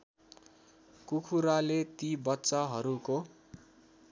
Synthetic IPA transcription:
kukʰuɾalet̪ibʌtːt͡sʌɦʌɾuko

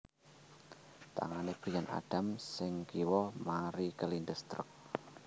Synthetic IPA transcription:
t̪a̰ŋaneb̥ɾijanʔa̰ɖ̥a̤msɪŋkiwɔmaɾikəlindəst̪ɾə̰k̚

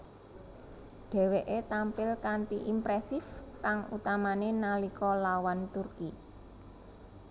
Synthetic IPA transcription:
ɖ̥e̤weʔet̪ampɪlkant̪iʔimpɾɛsɪfkaŋṵt̪amanenalikɔlawant̪urki

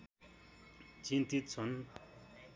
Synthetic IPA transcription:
t͡ɕint̪it̪̚t͡sʰʌn

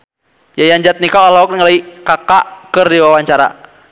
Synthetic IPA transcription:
jajaɲd͡ʒat̪̚nikaɔlaɔk̚ŋalaikakakərdiwawaɲt͡ʃaɾa̰

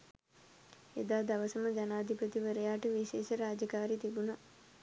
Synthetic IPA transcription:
ḛd̪aːd̪aʋəsəməd̪ɛnaːd̪ʱipət̪iʋəɾəjaːʈəʋiʃeːʃəɾaːd͡ʒəkaːɾit̪ibuna

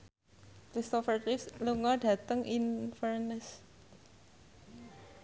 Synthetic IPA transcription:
kɾist̪ɔfərtifsluŋɔɖ̥a̤t̪əŋinfərnɛs

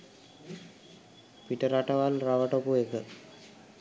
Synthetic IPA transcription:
piʈəɾaʈəʋalraʋəʈokuekə

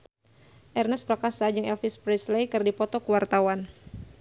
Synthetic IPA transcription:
ʔɛrnɛspɾakasad͡ʒɨŋɛlfɪspɾɛslejkɨrdipɔt̪ɔkəwart̪awan

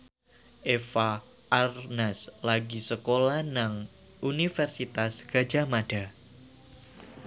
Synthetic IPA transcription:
ʔefa | ʔarnɛslaɡisəkolahnaŋ | ʔunifɛrsit̪asɡ̥a̤d͡ʒamada

